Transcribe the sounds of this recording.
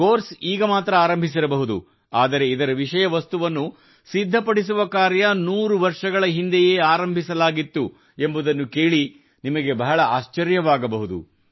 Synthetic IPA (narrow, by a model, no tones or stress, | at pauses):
koːɾsiːɡɐmaːt̪ɾɐaːɾɐmbʱis̬iɾɐbɐɦud̪ṵ | aːd̪ɐɾe̞id̪ɐɾɐʋiʂɐjɐʋɐst̪uʋɐnːu | sid̪ʱːɐpɐɽis̬uʋɐkaːɾjɐnuːɾuʋɐɾʂɐɡɐɭɐɦind̪eje̞ːaːɾɐmbʱisɐlaːɡit̪ːu | e̞mbud̪ɐnːuke̞ːɭi | nimɐɡe̞bɐɦɐɭɐaːʃt͡ʃɐɾjɐʋaːɡɐbɐɦud̪ṵ